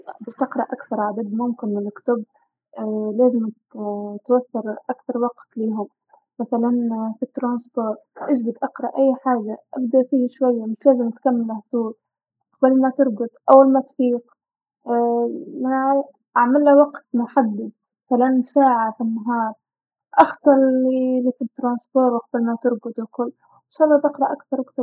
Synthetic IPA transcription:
bɪst̪aqɾˤɑʔakθɑɾˤʕad̪ad̪mʊmkɪnmɪnɪkt̪ʊb̚ | leːzɪm | t̪waθːɑɾˤʔakθɑɾˤwɑqt̪liːɦʊm | maθalanfit̪ːɾˤɑːnsfoːɾʔɪʒbɪd̪ʔɑqɾˤɑ̰ʔajːħaːʒaʔabd̪aʔfiːhʃwajːamɪʃleːzɪmt̪kamːalaht̪uːɾ | ʔqɑbalmat̪ɪɾˤɡʊd̪ʔawːalmat̪fiːqː | manaʕ | ʔaʕmɪlːawɑqt̪mʊħad̪ːi | mmaθalanːsaːʕafinːaɦɑːɾˤ | ʔaxt̪ˤɑɾˤilifit̪ːɾˤɑːnsfoːɾˤwqɑbɪlmat̪ɪɾɡʊd̪wɪkʊlː | ʃɑlˤːɑt̪ʔɪqɾˤɑʔakθɑɾˤʔakt̪ɑɾ

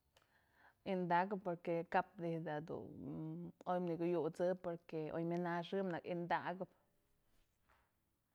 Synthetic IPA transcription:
ind̪aɡpoɾkekap̚d̪ihd̪ad̪ṵ | ojmniɡujut͡sɨpoɾkeo̰jminaʂɨmnakind̪aɡab

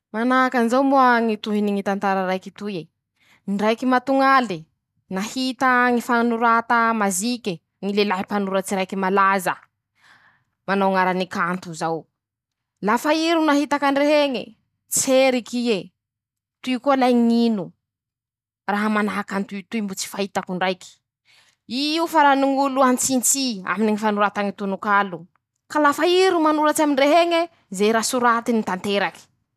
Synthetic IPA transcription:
manaɦakanizawmuaŋit̪uɦiniŋit̪ant̪aɾaɾajkit̪ue | nɖ͡ʐajkimat̪uŋali | nahit̪aŋifanuɾat̪amazikʲe | ŋilelaɦipanuɾət͡siɾajkimalazə | manawŋaɾanikant̪uzaw | lafaiɾunaɦit̪akaɳɖ͡ʐeɦeŋḭ | t͡seɾikie | t̪uikolajɲinu | raɦamanaɦakant̪ut̪uimbut͡si̥faɦit̪akuɳɖ͡ʐajki̥ | iufaɾaniŋuluant͡sint͡sia̰miniŋifanuɾat̪aŋit̪unukalu | kalafaiɾumanulat͡ʃaminreɦeŋe | zejɾasuɾat̪init̪ant̪eɾaki̥

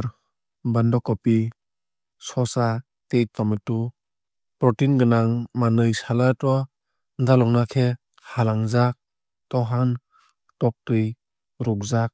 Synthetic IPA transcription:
ɾ | bandɔkɔpi | sɔsa | tejtɔmitu | pɾɔtinɡɯnaŋmanɯjsalatɔ | ndalɔŋnakʰe | halaŋzak̚ | tɔɦan | tɔk̚tɯj | ɾɔk̚zak̚

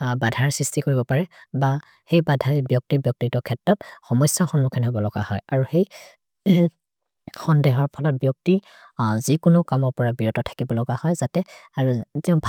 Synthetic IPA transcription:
badʱaɹsɹistikoɹibɔpaɹɛba | xejbadʱaɹɛbjɔk̚tibjɔk̚titɔkʰɛtɹɔt̚xɔmɔjsjɔxɔnmukʰɔnɦɔbɔlɔɡa̰hɔ̰jaɹuxej | xɔndeɦɔɹpʰɔlɔt̚bjɔk̚ti | zikʊnʊkamɔɹpɔɹabiɹɔtɔtʰḁkibɔlɔɡahɔjzatɛ | aɹutɛʊ̃bʱ

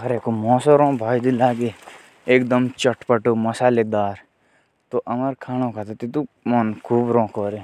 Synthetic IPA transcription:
ɦɐɾekomɔ̃ːsoɾõːbʱaːjd̪ilaːɡe | eːk̚d̪əmt͡ʃɐʈpəʈomɐsaːled̪aːɾ | t̪oʔɐməɾkʰaːñõkʰat̪at̪it̪u | mankʰuːbɾõːkoːɾe

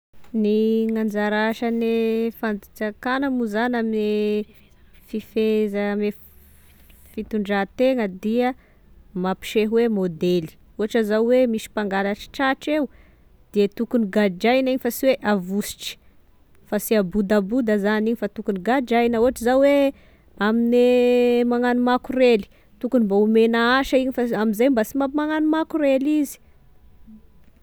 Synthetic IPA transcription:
niŋand͡ʒaɾaʃanefand̪it͡sakanəmuzaname | fifezame | fit̪uɳɖ͡ʐat̪eŋəd̪iə | mapi̥ʃeɦuwemod̪eli̥ | uɦaʈ͡ʂəzawwemisi̥paŋɡalaʈ͡ʂə̥ʈ͡ʂaʈ͡ʂeu | d̪̥iet̪ukuniɡad͡ʒajniɲifasiweʔavusi̥ʈ͡ʂi̥ | fasiabud̪abud̪əzaniɲifat̪ukuniɡad͡ʒajnəuɦaʈ͡ʂəzawwe | aminemaŋanumakureli̥ | t̪ukunimbaumenaaʃaiɲifaamizajmbasimamaŋanumakuɾelizi̥

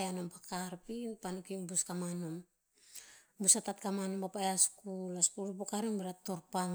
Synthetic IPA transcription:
janompakaɾpinpanukimbuskamanom | busatatkamanompapajaskulaskuɾupokaɾemeɾatoɾpaŋ

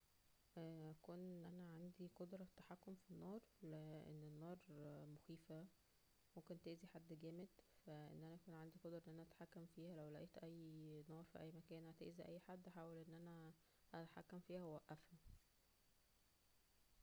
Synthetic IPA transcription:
ʔʔækuːnʔænæʕand̪iqod̪ɾˤɑt̪ːḁħakːomfinːɑːɾˤleʔḛnːenːɑːɾˤmoxiːfæ | momkent̪eʔziħad̪ːɡæːmed̪fæʔḛnːʔænæækuːnʕand̪iqod̪ɾɑʔnʔænæʔæt̪ḁħakːæmfiːhælæwlæʔeːt̪ʔæjːnɑːɾˤfḭʔæjːmækæːnhæt̪ḛʔziʔæjːħad̪ːʔaħaːwælʔenːʔænæ | ʔæt̪aħa̰kːæmfiːhæwwæʔːæfhæ

